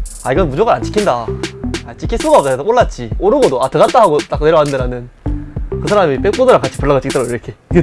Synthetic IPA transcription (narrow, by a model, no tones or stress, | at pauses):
aiɡʌnmud͡ʑoɡaant͡ɕ͈i̥kʰindaat͡ɕ͈ikʰis͈ʰuɡap̚t͈aoɭːat͡ɕ͈ioɾɯɡodoatɯɡat̚t͈aɦaɡot͈ak͈ne̞ɾʌɦanɯndeɾanɯn | kɯsʰaɾamip͈e̞k̚p͈odɯɾaŋk͈at͡ɕʰipuɭːaɡat͡ɕ͈ik̚t͈aɾoiɾʌkʰeiɡe